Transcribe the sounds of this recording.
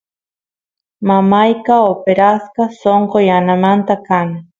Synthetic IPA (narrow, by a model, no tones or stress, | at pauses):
mamajkaopeɾaskasoɴqojanamant̪akanɪ